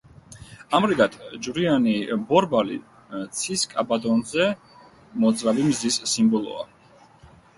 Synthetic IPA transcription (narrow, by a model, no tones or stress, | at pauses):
amɾiɡat̪ʰd͡ʒvɾianibɔɾbalḭ | t̪sʰiskʼabad̪ɔnzɛ | mɔd̪zʼɾavimzisːimbɔlˠɔ̰a̰